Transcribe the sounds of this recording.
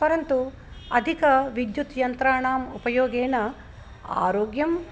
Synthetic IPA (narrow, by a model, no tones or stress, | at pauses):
pɐɾɐnt̪u | ɐd̪ʱikɐʋid̪jut̪jɐnt̪ɾaːɳaːmupɐjoːɡeːnɐ | a̰ːɾoːɡjɐm